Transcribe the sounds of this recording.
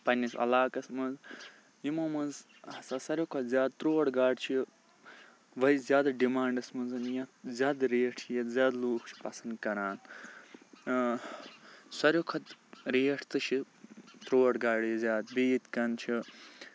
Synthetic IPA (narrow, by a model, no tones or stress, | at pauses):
pɐnʲisɐ̰laːkɐsmɐz | jimomɐnz | ɐsɐsɐɾʲokʰɐt̪zʲjaːd̪̚t̪ɾoːɽɡaːɖt͡ʃʰi | ʋɐizʲjaːd̪ɐɖimaːɳɖɐsmɐnzɐnjɐt̪zʲjaːd̪ɾeːʈʰt͡ʃʰijɐt̪zʲaːd̪loːkʰt͡ʃʰi̥pɐsɐnd̪kɐɾaːn | sɐɾʲjokʰɐt̪ɾeːʈʰt̪ɨt͡ʃʰi | t̪ɾoːɽɡaːɽjɐzʲjaːd̪̚biːt̪kɐnt͡ʃʰi